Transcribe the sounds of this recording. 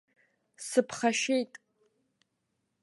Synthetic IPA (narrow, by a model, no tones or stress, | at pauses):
sɨpʰχaʃejtʼ